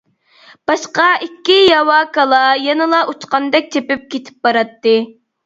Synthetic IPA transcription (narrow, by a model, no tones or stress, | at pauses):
b̥ɑʃqɑikʲːijɑwɑːkɑlˠɑjɛnɨlˠɑʔut͡ʃqɑnd̪ɛk̚ʲt͡ʃ̪ʰepɪp̚kʲʰet̪ʰɪ̥p̚bɑɾɑt̪ːɨ